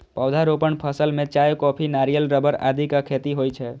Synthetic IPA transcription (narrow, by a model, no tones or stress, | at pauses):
pəwd̪ʱaɾopəɳpʰəsəlmet͡ʃajkɔpʰinaɾijəlɾəbəɾa̰d̪ʱikakʰet̪iɦojt͡ʃʰɛ